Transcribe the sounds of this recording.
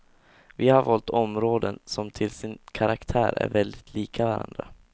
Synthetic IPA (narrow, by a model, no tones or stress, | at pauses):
vɪhaɾvɔlt̪ɔmɾoːd̪ənsɔmt̪ʰɪlsɪnkʰaɾakt̪ʰæːɾæ̰ɾvɛld̪ɪt̪ʰliːkʰavaɾa̰nd̪ɾa